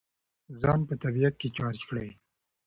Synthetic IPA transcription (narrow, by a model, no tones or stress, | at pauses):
zɑnpət̪abijat̪̚ket͡ʃɑɾt͡ʃkɽawi